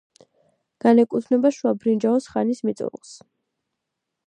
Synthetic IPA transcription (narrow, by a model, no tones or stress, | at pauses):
ɡ̥anɛkʼut̪ʰnɛbaʃuabɾind͡ʒaɔsχanismit̪sʼṵɾlˠs